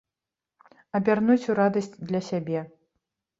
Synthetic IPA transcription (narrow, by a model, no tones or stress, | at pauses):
ɐbʲarnut͡sʲuɾad̪ɐsʲt͡sʲd̪lʲɐsʲabʲɛ